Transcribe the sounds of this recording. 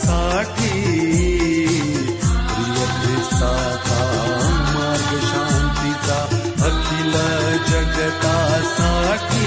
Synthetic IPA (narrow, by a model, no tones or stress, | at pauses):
saːʈʰi | pɾijɐmet̪aː | t̪amaːɾɡəʃaːnt̪it͡sa | ɐkʰilɐd͡ʒɐɡɐt̪asaːʈʰi